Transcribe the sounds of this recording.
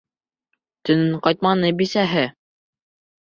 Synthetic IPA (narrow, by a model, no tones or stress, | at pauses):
t̪ɵ̆nɘɴqɑjt̪̚mɑnɤbisæɦɘ